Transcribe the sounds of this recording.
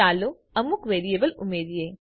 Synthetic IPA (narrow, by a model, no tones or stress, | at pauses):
aːlo | ɐmukʋeːɾieːbəlʊmeːɾijeː